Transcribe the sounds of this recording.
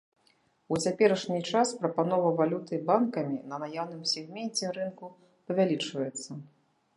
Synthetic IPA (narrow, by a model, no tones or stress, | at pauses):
ut͡sʲapʲɛɾɐʂnʲit͡ʂaspɾɐpanɔvɐvalʲut̪ɨbankɐmʲinɐnajawnɨmsʲɛɣmʲɛnʲt͡sʲɛɾɨnku | pɐvʲalʲit͡ʂvɐjɛt̪sːɐ